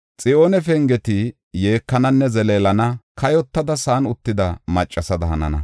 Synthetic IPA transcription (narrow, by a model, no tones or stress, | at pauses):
t͡sʼɪoːnɛfɛŋɡɛt̪ɪ | je̞ːkːɐnɐnːɛzɛleːlɐnɐkɐjɔt̪ːɐd̪ɐsaːnʊt̪ːɪd̪ɐmɐt͡ʃʼːɐsɐd̪ɐhɐnɐ̰nɐ̰